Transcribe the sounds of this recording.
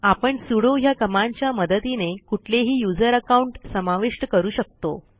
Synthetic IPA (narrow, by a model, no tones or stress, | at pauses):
apəɳsuɽoɦjakəmaɲt͡ɕjaməd̪ət̪inekuʈʰleɦiːjud͡zəɾəkauɳʈsəmaʋiʂʈəkəɾuːɕək̚t̪o̰